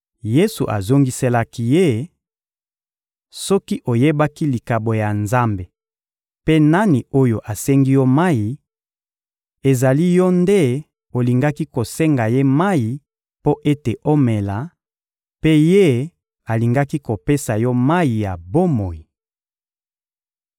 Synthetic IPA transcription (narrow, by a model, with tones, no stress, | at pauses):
je˦su˨ʔa˨zo˦ŋɡi˦se˦la˦ki˦je˦ | sɔ˦ki˦ʔo˨je˦ba˦ki˦li˨ka˨bo˨ja˨nza˦mbe˨ | pe˦na˦ni˨o˦jo̰˨ʔa˨sɛ˦ŋɡi˦jɔ˦ma˦ji˨ | e˨za˨li˦jɔ˦nde˦ | o˨li˨ŋɡa˦ki˦ko˨sɛ˦ŋɡa˨je˦ma˦ji˨ | po˦ʔe˦te˨ʔo˦me˨la˨ | pe˦je˦ | a˨li˨ŋɡa˦ki˦ko˨pe˦sa˨jɔ˦ma˦ji˨ja˨bo˦mo˨ji˨